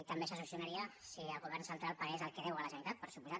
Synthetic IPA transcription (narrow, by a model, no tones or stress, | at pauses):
t̪ɐmbesəsusiunaɾiəsiəlˠɣuβ̞ɛrnsənt̪ɾalˠpaɾezəlˠkeðɛwəlasanit̪at̪̚pəɾsupuza